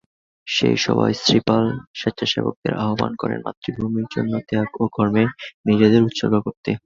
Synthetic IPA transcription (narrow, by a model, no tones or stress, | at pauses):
ʃḛjʃɔbajsɾipalʃet̪ːʃʰaʃebok̚d̪eɾʔaɦoba̰nkɔɾḛnma̰t̪ːɾibʱumiɾd͡ʑonːot̪eakoɡʱɔɾmenid͡ʑed̪eɾut̪ːʃoɡokoɾt̪e